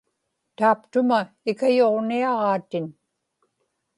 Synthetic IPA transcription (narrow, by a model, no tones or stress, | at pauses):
t̪aːpt̪ʊma | ɪkajoʁniɑʁɑːt̪ɪn